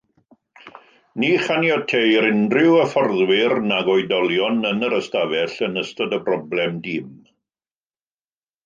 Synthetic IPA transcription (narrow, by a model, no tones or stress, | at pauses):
niːχanjɔtʰejɾɪndrɪwəfɔrðwɪrnaɡɔjdɔlˠjɔnənəɾəstavɛɬənəstɔdəbrɔblɛmdɪːm